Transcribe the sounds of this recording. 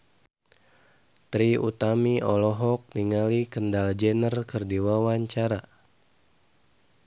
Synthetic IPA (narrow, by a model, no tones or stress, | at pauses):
t̪ɾiut̪amiɔlɔɦɔk̚niŋalikəndald͡ʒɛnərkərdiwawaɲt͡ʃaɾa